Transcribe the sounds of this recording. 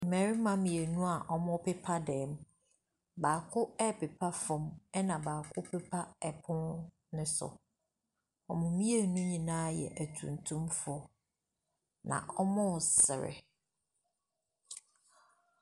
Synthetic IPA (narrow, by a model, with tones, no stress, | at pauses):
mɛ˨ɾɪ˦mã˦mĩ˨e˨nũ˦a˨ʔɔ˦mʊ̃˦pɛ˦pʰa˦dɛː˨m˦ | baː˨kʰʊ˦ɛ˦pe˨pʰa˦fɔ̃˨mɛ˦nã˨baː˨kʰʊ˦pʰɛ˦pʰa˦ɛ˨pʰʊ̃˦n | nɪ̃˦sʊ̰˨ | ɔ˨mʊ̃˨mĩ˦e˨nũ˦ɲĩ˨nãː˦jɛ̰˨ʔæ˨tʰṵ̃˨ntʰũ˦mfʊɔ˨ | nã̰˨ʔɔ˦mʊ̃˦˨sɪ̰˨ɾɪ̰˨